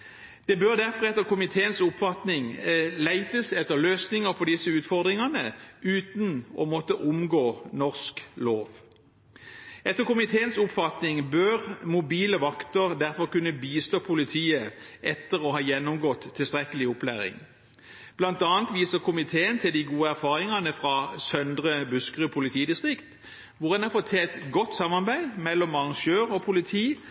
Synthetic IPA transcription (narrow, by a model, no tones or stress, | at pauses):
d̪̥ɛbøːʁd̪æʁfɔʁɛt̪ːəʁkʊmɪt̪ʰeːənsʊpfɑt̪nɪŋlæɪt̪əsɛt̪ːəʁløːsnɪŋəʁpʰɔd̪ɪsəʉːt̪fɔʁd̪ʁɪŋɑnəʉːt̪nɔ̰mɔt̪əʔʊmɡoːnɔʁskloːʋ | ɛt̪ːəʁkʊmɪt̪ʰeːənsʊpfɑt̪nɪŋbøʁmʊbiːləʋɑkt̪əʁd̪æʁfɔʁkʉnːəbiːst̪oːpʰʊlɪt̪ʰiːəʔɛt̪ːəʁɔɦɑːjɛnːɔmɡɔt̪ʰːɪlst̪ʁɛkəlɪʊplæːʁɪ̰ŋ | b̥lɑnt̪ɑːnt̪ʋiːsəʁkʰʊmɪt̪ʰeːənt̪ʰɪld̪ɪɡuːəæʁfɑːʁɪŋɑnəfʁɑsœnd̪ʁəbʉskʁʉːpʰʊlɪt̪ʰiːd̪ɪst̪ʁɪkt̪ | ʋʊʁd̪ɛnɑfɔt̪ʰɛlt̪ɡɔt̪ːsɑmɑʁbæɪmɛlːɔmɑʁɑŋʃøːʁɔpʰʊlɪt̪ʰiː